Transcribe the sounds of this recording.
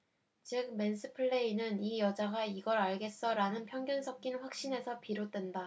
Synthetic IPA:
t͡ɕɯk̚me̞nsʰɯpʰɯɭːe̞inɯnijʌd͡ʑaɡaiɡʌɾaɭɡe̞s͈ʌɾanɯnpʰjʌŋɡjʌnsʰʌk̚k͈inɸwak̚ɕ͈ine̞sʰʌpiɾot͈we̞nda

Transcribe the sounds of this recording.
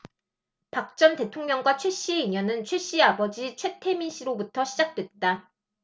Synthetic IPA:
pak̚t͡ɕ͈ʌnte̞tʰoŋɲʌŋɡwat͡ɕʰwe̞ɕ͈ieiɲʌnɯnt͡ɕʰwe̞ɕ͈iabʌd͡ʑit͡ɕʰwe̞tʰe̞minɕ͈ʰiɾobutʰʌɕʰid͡ʑak̚t͈we̞t̚t͈a

